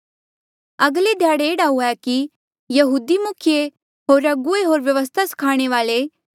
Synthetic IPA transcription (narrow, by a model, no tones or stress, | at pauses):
ɐɡled̪ʱjaːɽeeːɽaɦuaki | jɐɦuːd̪imʊkʰje | ɦoːɾɐɡueɦoːɾʋjɐʋəs̬t̪ʰasɐ̥kʰaːɽ̃eʋaːle